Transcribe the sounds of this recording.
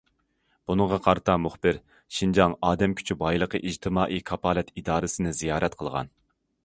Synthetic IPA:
b̥unɨŋʁɑqʰɑɾɨt̪ʰɑmuχbɪɾ | ʃind͡ʒɑŋɑːd̪ɛmkʲʰy̥t͡ʃʰybɑjlˠəqəʔid͡ʒt̪ʰɨmɑːʔikʰɑpʰɑːlɛt̪ʰid̪ɑːɾɨsɨnɨzijɑːɾɛt̪qʰəlˠʁɑ̰n

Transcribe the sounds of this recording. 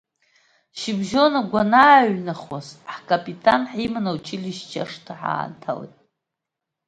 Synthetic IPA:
ʃibʒo̞naɡʷanaːɥnaχwazħkʼapʼitʼanħimanawt͡ʃʰiliʃt͡ʃʰa̰ʂtʰaħa̰ːntʰa̰lḛjtʼ

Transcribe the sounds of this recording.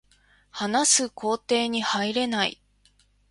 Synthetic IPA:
hanasɨkʰo̞ːt̪e̞ːɲ̟ihaiɾe̞naḭ

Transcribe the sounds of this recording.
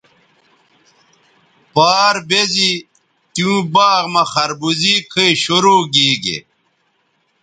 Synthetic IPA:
paːɾbezi | t̪iũbaːʁmɐχɐɾbuzikʰəiɕoɾoːɡiːɡḛ

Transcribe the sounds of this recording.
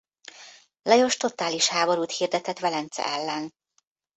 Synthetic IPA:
lɛjo̞ʃt̪o̞t̪aːliʃhaːbo̞ɾuːt̪hiːrd̪ɛt̪ɛt̪ʋɛlɛnt̪sɛ̰ɛlːɛn

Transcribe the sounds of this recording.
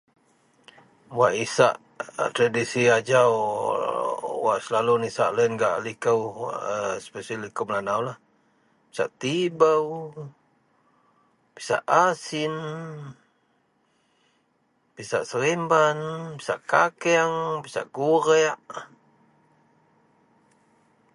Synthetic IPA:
waʔisa̰ʔ | t̪ɾadisiad͡ʒaw | wa̰ʔsəlalunisaʔləənɡaʔlikəwəspesalikəmlanawlah | pi̥sa̰ʔt̪ibəw | pisa̰ʔasin | pisaʔsəɾimbanpisa̰ʔkakɛŋbisa̰ʔɡuɾɛʔ

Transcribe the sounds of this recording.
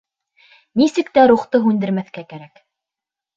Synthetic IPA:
nisɘkt̪æɾuχt̪ɤɦʉnd̪ɘ̆ɾmæθkækæɾæk

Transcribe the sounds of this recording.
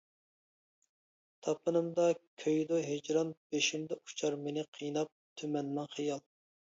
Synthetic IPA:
t̪ʰɑpʰɨnɨmd̪ɑkʲʰøjd̪oɦed͡ʒɾɑnb̥eʃimd̪ɛʔu̥t͡ʃʰɑɾmenɪqʰijnɑp̚t̪ʰymɛnmɑŋχijɑlˠ

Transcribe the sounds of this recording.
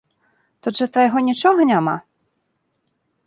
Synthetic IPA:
t̪ɔʐɛt̪vajɣɔnʲit͡ʂɔɣɐnʲama̰

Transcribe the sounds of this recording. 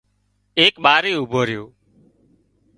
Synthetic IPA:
eːkɓaːɾeːʊbʱoːɾɪjoː

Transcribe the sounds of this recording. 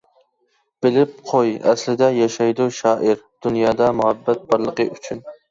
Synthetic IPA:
b̥ɪlɪp̚qʰojɛslɪd̪ɛjɑʃɑjd̪uʃɑːʔɪɾ | d̪̥unjɑːd̪ɑmuhɛbːɛt̪̚bɑɾlˠəqəʔyt͡ʃʰyn

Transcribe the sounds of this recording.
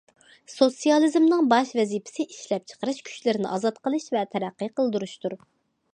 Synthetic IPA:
sosijɑlˠɨzmnɨŋbɑʃvɛzipʰɪ̥sɪʔiʃlɛp̚t͡ʃʰə̥qəɾɨʃkʲʰy̥t͡ʃlɪɾɪnɪ̰ʔɑːzɑt̪qəlˠɨʃvɛt̪ʰɛɾæqːijqəlˠd̪uɾuʃt̪uɾ

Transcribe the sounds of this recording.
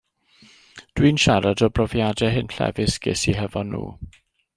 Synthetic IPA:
d̥winʃaɾadɔbrɔvjadɛɦɪnɬɛ̰vɪsɡ̥ɪ̰siɦəvɔnːṵː

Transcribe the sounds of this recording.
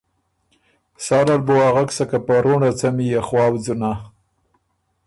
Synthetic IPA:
sɑɾalboaɣaksakapaɾoɳɖat͡samijaxwɑːwd͡zuna

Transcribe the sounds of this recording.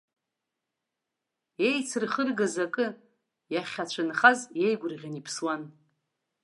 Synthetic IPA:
e̞jt͡sʰɨrχərɡazakʼɨ | jaχʲat͡ɕʷʰɨnχazje̞jɡʷʊrʁʲanipʰswan

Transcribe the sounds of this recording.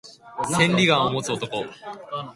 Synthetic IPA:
sẽ̞nɾʲiɡãɰ̃omo̞t͡sɨo̞t̪o̞ko̞

